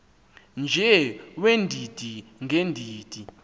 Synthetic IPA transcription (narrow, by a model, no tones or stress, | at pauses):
nd͡ʒʱɛwendʱid̥ʱiŋʱendʱiːd̥ʱi